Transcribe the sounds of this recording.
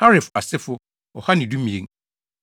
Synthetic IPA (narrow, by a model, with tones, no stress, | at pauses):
ha˦ɾɪ˨fa˨sɪ˦fʊ˦ | ɔ˨ha˦nɪ̃˨du˦mĩ˨ḛ̃˨ŋ